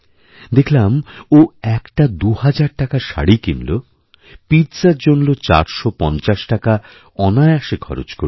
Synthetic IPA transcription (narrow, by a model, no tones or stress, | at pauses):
d̪ekʰlamoɛkʈad̪uhad͡ʑaɾʈakaʃa̰ɽikimlo | pitsaɾd͡ʑonlot͡ɕa̰ɾʃopɔnt͡ɕaʃʈaka | ɔnaeaʃekʰɔ̰ɾo̰t͡ɕko̰ɾ